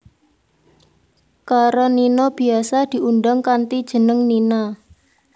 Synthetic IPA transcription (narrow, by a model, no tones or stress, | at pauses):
kaɾɔninɔb̥i̤asad̪̥i̤unɖaŋkant̪id̥ʒ̥ə̤nəŋninɔ